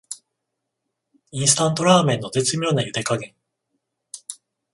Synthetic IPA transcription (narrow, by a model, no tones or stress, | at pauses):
ĩɰ̃sɨ̥t̪ãnt̪o̞ɾaːmẽ̞nːo̞t̪e̞t͡sɨmʲiɾonajɯ̟t̪ekaɡẽ̞ŋ